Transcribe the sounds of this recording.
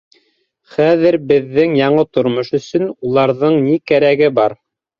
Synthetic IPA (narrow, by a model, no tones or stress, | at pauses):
χæðɘɾbɘ̆ðːɘŋjɑɴɤt̪ŏɾmoʃɵ̆sɵ̆nulˠɑɾðɤɴnikæɾæɡɘbɑɾ